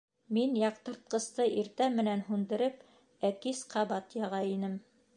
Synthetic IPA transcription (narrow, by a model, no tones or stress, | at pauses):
minjɑqt̪ɤ̆ɾt̪̚qɤ̆st̪ɤʔiɾt̪æmːɘ̆nænɦund̪ɤ̆ɾɤp | ækisqʰɑβɑt̪jɑʁɑinɘm